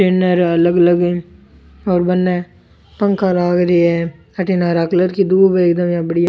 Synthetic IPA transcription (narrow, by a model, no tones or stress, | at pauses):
ʈeːnəɾələɡələɡe | ɔːɾbənːɛː | pə̃ŋkʰalaːɡɾeɛ | əʈeːnaːɾaːkləɾkid̪uːbəɪkd̪əmjãːbəɽija